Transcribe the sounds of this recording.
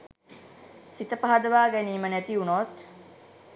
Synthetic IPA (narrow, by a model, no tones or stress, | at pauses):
sit̪əpaɦad̪əʋaːɡæniːmənæt̪iunoːt̪